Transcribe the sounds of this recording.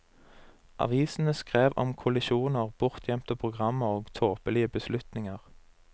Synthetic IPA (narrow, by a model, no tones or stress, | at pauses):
ʔɑ̰ʋiːsn̩əskʁeːʋɔ̰mkʰʊlɪʃuːnəʁb̥ʊʁt̪ʰjɛmt̪əpʰʁʊɡʁɑməʁoːɡt̪ʰoːpəlɪəbəslʉt̪nɪŋəʁ